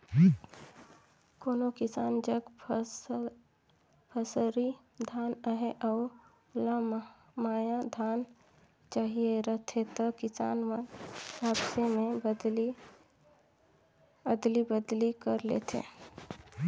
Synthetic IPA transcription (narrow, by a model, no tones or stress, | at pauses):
koːnokɪsaːnd͡ʒəɡ | pʰəsɾi | d̪ʱaːnaɦeʔɔː | la | maːjad̪ʱaːn | t͡ʃaːɦieɾət̪ʰet̪əkɪsa̰ːnwənaːbsemẽbd̪li | əd̪libəd̪likəɾlḛːt̪ʰḛ̃ː